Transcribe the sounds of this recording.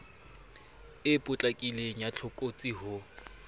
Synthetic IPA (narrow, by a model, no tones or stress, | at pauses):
ɪpʼʊt͡ɬʼakʼileɲat͡ɬʰʊkʼot͡sʼiɦʊ